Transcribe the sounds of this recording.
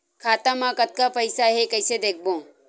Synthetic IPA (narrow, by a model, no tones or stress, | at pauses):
kʰaːt̪ãmãkət̪̚kapɐɪsaɦekəɪsed̪eːk̚ʰbõ